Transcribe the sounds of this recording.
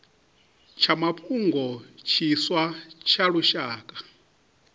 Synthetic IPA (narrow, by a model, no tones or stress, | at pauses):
t͡ʃʰamapʰʼuŋɡɔt͡ʃʰiswat͡ʃʰaɺuʃaːkʼḁ